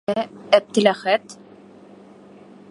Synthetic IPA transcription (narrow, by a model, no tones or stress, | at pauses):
ææp̚t̪ɘ̆læχæt̪